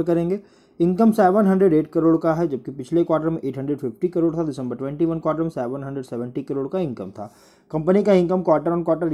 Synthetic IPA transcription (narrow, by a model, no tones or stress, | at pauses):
ɾkɐɾẽːŋɡeː | ɪ̃ŋkəmsɛːʋənɦɐ̃ɳɖɾeɖeːʈ̚kɐɾoːɽkaɦɛd͡ʒɐb̚kipɪt͡ʃʰlekwaːʈəɾmẽʔeːʈʰɦɐ̃ɳɖɾeɖfɪfʈikəɾoːɽt̪ʰadɪsə̃mbəɾʈwɛ̃ːɳʈiʋɐnkwaːʈəɾmẽsɛːʋənɦə̃ɳɖɾeɖsɛːʋə̃ɳʈikɐɾoːɽkaɪ̃ŋkəmt̪ʰa̰ː | kɐ̃mpənikaɪ̃ŋkəmkwaːʈəɾɔːnkwaːʈəɾ